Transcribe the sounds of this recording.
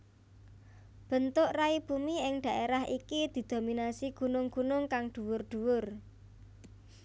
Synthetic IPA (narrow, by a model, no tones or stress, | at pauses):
b̥ə̤nt̪ʊʔraib̥umiɪŋd̪̥a̤ʔeɾaɦʔikid̪̥i̤d̪̥o̤minasiɡ̥ṳnʊŋɡ̥unʊŋkaŋd̪̥ṳwʊrɖ̪̥ṳwʊr